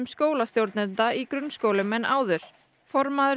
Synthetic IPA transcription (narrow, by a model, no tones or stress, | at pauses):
mskoːwlast̪jowɾt̪nɪnt̪aikɾʏnːskoːwlɪmɛnʔa̰ːwðʏɾ̥ | fɔɾmaðʏ